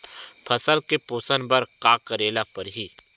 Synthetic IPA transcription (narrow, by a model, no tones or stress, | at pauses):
pʰɐsəlkepoːsənbəɾkaːkəɾeːlapɐɾɦiː